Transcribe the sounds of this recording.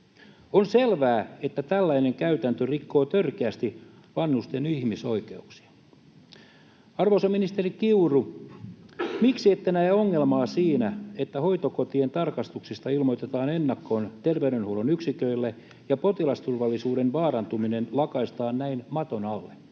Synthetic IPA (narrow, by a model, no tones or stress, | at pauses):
onselʋæːe̞t̪ːæt̪ælːæine̞ŋkæyt̪ænt̪ørikːo̞ːt̪ørkeæst̪i | ʋɑnːust̪enihmiso̞ike̞uksi̥ɑ̥ | ɑrʋosɑminist̪erikiuru | miksiet̪ːænæioŋːe̞lmɑːsiːnæet̪ːæho̞ijt̪okot̪ient̪ɑrkɑst̪uksist̪ɑilmo̞jt̪et̪ɑːnenːɑkːo̞ːnt̪erʋeyɾønhulonyksikøilːe | jɑpo̞t̪ilɑst̪urʋɑlːisuːɾe̞nʋɑːrɑnt̪umine̞nlɑkɑist̪ɑːnnæinmɑt̪o̞nɑlːe